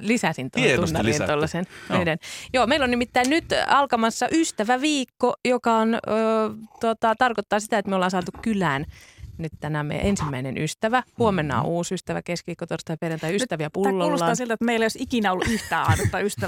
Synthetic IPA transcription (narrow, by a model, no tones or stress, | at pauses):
lisæsint̪unnːɑlint̪olːɑsennyidenjoːmeilonimit̪ːæinnyt̪ɑlkɑmɑsːɑʔyst̪æʋæʋiːkːojokɑonøːt̪uot̪ɑt̪ɑrkot̪ːɑːsit̪æet̪meøolːɑːnsɑːt̪ukkylæːnnyt̪t̪ænæmḛj̰ʔensimːæinḛnʔyst̪æʋæhuomenːɑ̰ːuːsyst̪æʋæ̰keskʋiːkːot̪orst̪ɑjperjɑnt̪ɑjyst̪æʋiæpulːoːusɑɑːsilt̪æet̪meiljosikinæoluʔyht̪æːɑinst̪ɑyst̪æ